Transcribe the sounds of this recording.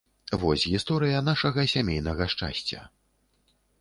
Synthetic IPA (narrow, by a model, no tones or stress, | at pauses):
vɔsʲɣʲist̪ɔɾɨjɐn̪aʂɐɣɐsʲamʲejnɐɣɐʂt͡ʂa̰sʲt͡sʲɐ̰